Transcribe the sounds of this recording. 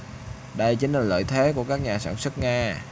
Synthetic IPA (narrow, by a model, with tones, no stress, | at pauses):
ɗə˧jt͡ɕi˨˦ŋ̟laː˨˩lə̰ː˧˨jt̪ʰe˨˦ku˧˩əkaː˦˥k̚ɲaː˨˩sa̰ː˧˩nswə˦˥t̚ŋaː˧